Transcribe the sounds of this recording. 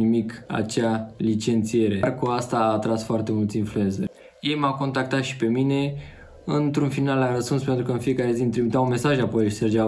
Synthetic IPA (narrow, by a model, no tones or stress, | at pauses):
imika̰t͡ʃalit͡ʃe̞nt̪sije̞ɾe̞rkuast̪aːt̪ɾasfoart̪e̞mult̪sinflue̞nsər | je̞jmawko̞nt̪ak̚t̪at̪ʃi̥pe̞mine̞ | ɨnt̪ɾunfinalaɾəspunspe̞nt̪ɾukəɨnfijekaɾe̞zint̪ɾimit̪awume̞saʒapo̞jserd͡ʒa